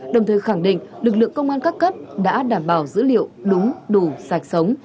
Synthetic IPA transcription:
ɗə˨˩wŋ͡mt̪ʰəː˨˩jxa˧˩ŋɗḭ̈˧˨ŋ̟lɨ˨˩k̬̚lɨ̰˧˨əŋkə˧wŋ͡mʔaː˧nkaː˦˥kːə˦˥p̚ɗa̰ː˧˥ɗaː˧˩mɓaː˧˩wzɨ̰˧˥lḭ˧˨əwɗʊ˨˦ŋ͡mɗu˨˩zaː˨˩k̟̚sə˨˦wŋ͡m

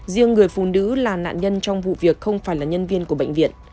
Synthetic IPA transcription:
zi˧əŋːɨ˨˩əjfṵ˧˩nɨ̰˧˥laː˨˩na̰ː˧˨nɲə˧nt͡ɕɔ˧wŋ͡mvṵ˧˨vi˨˩ək̚xə˧wŋ͡mfaː˧˩jlaː˨˩ɲə˧nvi˧ənku˧˩əɓə̰˧˨ŋ̟vḭ˧˨ən

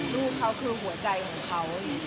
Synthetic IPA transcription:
ɾuː˥˩kʰːa˦˥wkʰɯː˧ɦu˨˩˦ɐt͡ɕa˧jkʰɔː˨˩˦ŋkʰa˦˥w

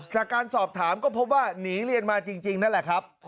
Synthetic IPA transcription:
t͡ɕaː˨˩kːaː˧nsɔː˨˩p̚t̪ʰaː˩˦mkɔː˥˩pʰo˦˥p̚waː˥˩niː˩˦li˧ənmaː˧t͡ɕi˧ŋt͡ɕi˧ŋna˦˥nlɛ˨˩kʰa˦˥p̚

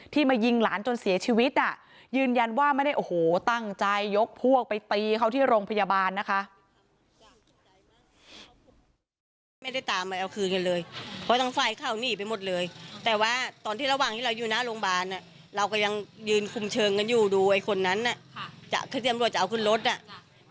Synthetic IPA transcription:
t̪ʰiː˥˩maː˧ji˧ŋlaː˩˦nt͡ɕo˧nsi˨˩˦ɐt͡ɕʰiː˧wi˦˥t̪̚ʔa˧˩ | jɯː˧nja˧nwaː˥˩ma˥˩da˥˩ʔo˨˩hoː˨˩t̪a˥˩ŋt͡ɕa˧jːo˦˥k̚pʰu˥˩ək̚pa˧jt̪iː˧kʰa˥˩wt̪ʰiː˥˩ɾoː˧ŋpʰa˧jaː˧baː˧nːa˦˥kʰa˦˥ʔ | ma˥˩jda˥˩jt̪aː˨˧mʔa˧˩jʔa˧wkʰɯː˧nka˧nlɤː˧jpʰɔ˦˥t̪ʰaː˧˥ŋfa˧˩jkʰaː˥˩wniː˥˩pa˧jmo˨˩t̪̚lɤː˧jt̪ɛː˨˩waː˥˩t̪ɔː˧niː˥˩ɾa˧waː˨˩ŋt̪ʰiː˥˩ɾa˧wjuː˨˩na˦˥loː˧ŋbaː˧nʔa˨˩ | ɾa˧wkɔː˧˩ja˧ŋjɯː˧nkʰu˧mt͡ɕʰɤː˧ŋka˧njuː˨˩duː˧ʔa˧jkʰo˧nːa˦˥nʔa˧˩t͡ɕa̰˨˩ʔkʰa˧˩i˥˩˨mɾu˧˩t̪̚t͡ɕa˨˩ʔwkʰɯ˧˥˩nɾo˦˥t̪̚ʔa˧˨˩ʔ

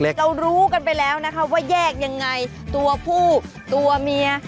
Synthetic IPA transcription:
le˦˥ɾa˧wɾuː˦˥ka˧npa˧jlɛː˦˥wna˦˥kʰa˦˥p̚waː˥˩jɛː˥˩k̚ja˧ŋːa˧j | t̪u˧ɐpʰuː˥˩ | t̪u˧ɐmi˧ɐ

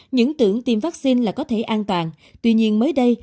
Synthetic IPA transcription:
ɲɨ̰˧˥ŋt̪ɨ̰˧˩əŋt̪i˧mvaː˦˥k̚si˧nlaː˨˩kɔ˨˦t̪ʰe˧˩ʔaː˧nt̪waː˨˩n | t̪wi˧ɲi˧ənməː˨˦jɗə˧j

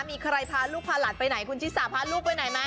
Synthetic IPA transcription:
miː˧kʰa˧ɾa˧jpʰaː˧˥nluː˥˩pʰaː˧la˨˩t̪̚pa˧jna˩˦jkʰu˧nt͡ɕʰi˦˥t̪̚saː˨˦pʰaː˧˥luː˥˩k̚pa˧jna˨˩˦jma˦˥

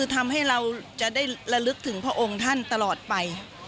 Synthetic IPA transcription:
ɯː˧t̪ʰa˧mha˥˩jɾa˧wt͡ɕa˨˩ʔdaː˥˩jɾa˧lɯ˦˥k̚t̪ʰɯ˩˦ŋpʰɾa˥˩ʔo˧ŋt̪ʰa˥˩nt̪a˧lɔː˨˩t̪̚pa˧j

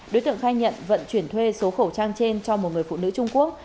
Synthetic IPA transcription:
ɗo˨˦jt̪ɨ˧˨əŋxaː˧jɲə̰˧˨nvə̰˧˨nt͡ɕwi˧˩ənt̪ʰwe˧so˨˦xə˧˩wt͡ɕaː˧ŋt͡ɕe˧nt͡ɕɔ˧mo˨˩t̚ŋɨ˨˩əjfṵ˧˨nɨ̰˧˥t͡ɕʊ˧ŋ͡mku˦˥ək̚

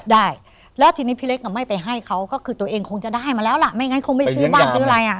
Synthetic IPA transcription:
daː˥˩j | lɛː˦˥wt̪ʰiː˧niː˦˥pʰi˧˥le˦˥k̚ka˧˩ma˥˩jpa˧jɦa˥˩jkʰa˦˥wkɔː˥˩kʰɯː˧t̪u˧ɐʔeː˧ŋkʰo˧ŋt͡ɕa˨˩ʔdaː˥˩jmaː˧lɛː˦˥wla˨˩ʔma˥˩jŋa˦˥jkʰo˧ŋma˥˩ssɯː˦˥baː˥˩nsɯː˦˥˧ɾa˧jʔa˨˩ʔ

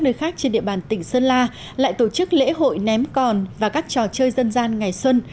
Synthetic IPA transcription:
a˦˥k̚nəː˧jxaː˦˥k̚t͡ɕe˧nɗḭ˧˨əɓaː˨˩nt̪ï˨˩ŋ̟səː˧nlaː˧ | la̰ː˧˨jt̪o˧˩t͡ɕɨ˦˥k̚lḛ˧˥ɦo̰˧˨jnɛ˨˦mkɔ˨˩nvaː˨˩kaː˦˥k̚t͡ɕɔ˨˩t͡ɕəː˧jzə˧nzaː˧nŋa˨˩jswə˧n

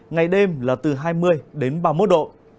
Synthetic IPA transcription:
ŋa˨˩jɗe˧mlaː˨˩t̪ɨ˨˩ɦaː˧jmɨ˧əjɗe˨˦nɓaː˧mo˦˥t̚ɗo̰˧˨n

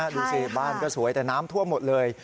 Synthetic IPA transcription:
duː˧si˧˩baː˥˩nkɔː˥˩su˨˩˦jt̪ɛː˨˩naː˦˥mt̪ʰu˥˩əmo˨˩t̪̚lɤː˧j

